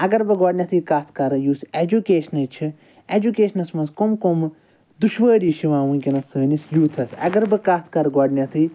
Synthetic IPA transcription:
ɐɡɐɾbɨɡɔːɖnʲɐt̪ʰɨkaːt̪ʰkɐɾjuːsed͡ʒukʲeːʃɐnɨt͡ʃʰi | ed͡ʒukʲeːʃɐnɐsmɐ̃nskomkom | d̪uʃʋəːɾiːʃiʋaːʋũnkʲinɐsəːnʲisjuːt̪ʰɐsɐ̰ɡɐɾbɨkaːt̪ʰkɐɾɡɔːɖnʲɐt̪ʰɨ

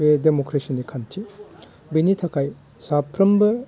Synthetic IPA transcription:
edemokɾesinikʰantʰi | binitʰɐkʰaj | sapʰːɾɐmbɐ

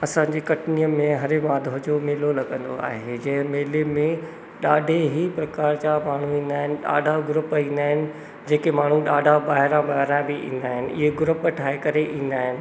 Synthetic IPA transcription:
ɐsãːɲd͡ʑeːkɐʈnijəmẽɦɐɾɪmaːd̪ʱoɦd͡ʑomeːlolɐɡə̃nd̪o̰a̰ːɦed͡ʑɐ̃ɦɪ̃meːlemẽ | ɗaːɖʱeɦipɾɐkaːɾt͡ɕamaːɳ̤uĩːn̆d̪aːɦɪnɪ̆ɗa̰ːɖʱaɡʊɾʊpĩːnd̪aːɦɪnɪ̆ | d͡ʑeːkemaːɳ̤ũɗaːɖʱabaːɦɪɾãbaːɦɪɾãbɪʔḭ̃ːnd̪aːɦɪnɪ̆ʔɪ̰ɦeɡʊɾʊpʈʰaːekɐɾeʔĩːn̆d̪aːɦɪnɪ̆

